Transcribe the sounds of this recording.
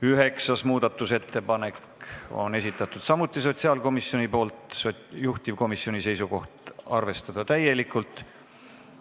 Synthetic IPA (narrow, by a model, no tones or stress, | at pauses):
yɦe̞ksɑsmuːd̪̥ɑt̪ːˑuset̪ːe̞pɑne̞k | o̞̰ne̞sit̪ːˑɑt̪ːˑud̪̥sɑmut̪ːˑis̬o̞t̪siɑlko̞misio̞nʲipo̞ːlt̪sojuht̪ivko̞misːio̞nise̞jsuko̞ht̪ɑrve̞st̪ɑd̪̥ɑt̪æje̞likːˑult̪ˑ